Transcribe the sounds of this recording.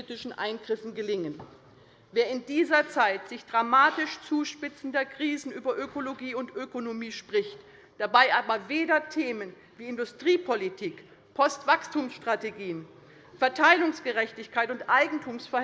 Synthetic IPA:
itɪʃn̩ʔa̰ɪnɡʁɪfn̩ɡəlɪŋən | veːɐɪndiːzɐt͡saɪtz̥ɪçd̥ʁamaːtɪʃt͡suːʃpɪt͡sn̩dɐkʁ̥iːzn̩ʔyːbɐʔøkoloɡiːʊntʔøkonomiːʃpʁ̥ɪçt | d̥abaɪʔaːbɐveːdɐtʰeːmən | viːɪndʊstʁ̥iːpʰolitʰiːk | pʰɔstv̥akstʰuːmsʃtʁ̥ateɡiːən | fɛɐtʰaɪlʊŋsɡ̥əʁɛçtɪçkʰaɪtʊntʔaɪɡŋ̩tʰuːmsfɛɐ

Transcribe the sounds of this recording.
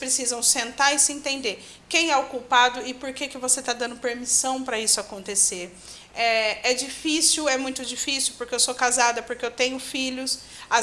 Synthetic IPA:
pɾesizɐ̃w̃sẽnt̪aɾɪsɪẽnt̪ẽnd̪eɾ | kẽj̃ɛokuwpad̪ʊɪpoɾkekɪvoset̪ad̪ɐ̃nd̪ʊpeɾmisɐ̃w̃pɾɐisʊakõnt̪eseɾ | ɛɛd͡ʒifisiwɛmũj̃t̪ʊd͡ʒifisiwpoɾkeewsokazad̪ɐpoɾkeewt̪ẽɲʊfiʎʊs | a

